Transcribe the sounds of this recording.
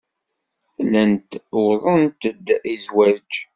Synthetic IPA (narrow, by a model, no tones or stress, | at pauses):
lænt̪ʊðˤənt̪əd̪ːizwæɾd͡ʒ